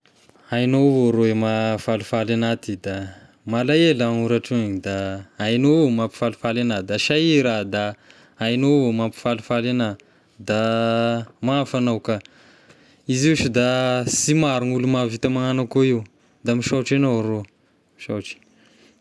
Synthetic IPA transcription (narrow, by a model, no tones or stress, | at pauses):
ajnovoɾoemafalufalanat̪id̪a | malajelaŋuɾaʈ͡ʂueɲid̪aajnomampi̥falufalanad̪aʃaiɾad̪a | ajnovomapi̥falufalena | d̪a | mafanawka | iziʃid̪asimaɾunulumavit̪amaŋanakoiw | d̪amiʃaʈ͡ʂenoɾo | miʃa̰wʈ͡ʂi̥